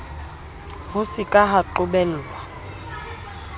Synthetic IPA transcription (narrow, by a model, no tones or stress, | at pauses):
hʊsɪkʼaɦaǃʊbɛl̩ːwa